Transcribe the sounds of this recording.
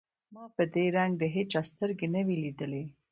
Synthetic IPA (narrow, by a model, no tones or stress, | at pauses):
maːpəd̪eːɾaŋɡd̪əɦet͡ʃast̪əɾɡinɐʋilid̪əle